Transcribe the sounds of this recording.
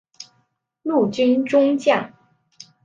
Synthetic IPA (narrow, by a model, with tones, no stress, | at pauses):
lu˥˩t͡ɕy˥nʈ͡ʂʊ˥ŋt͡ɕja˥˩ŋ